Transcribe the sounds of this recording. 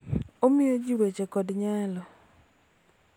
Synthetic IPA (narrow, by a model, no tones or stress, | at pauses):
omɪjod͡ʒiwet͡ʃekɔdɲalɔ